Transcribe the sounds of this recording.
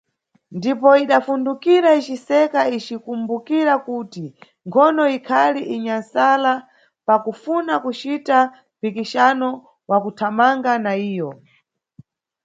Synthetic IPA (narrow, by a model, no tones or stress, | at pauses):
ndipɔiɗafundukiɾait͡ʃisɛkait͡ʃikumbukiɾakuti | ŋkʰɔnɔikʰaliʔiɲansala | pakufunakut͡ʃita | mpikiʃanɔ | wakutʰamaŋɡanaiːjɔ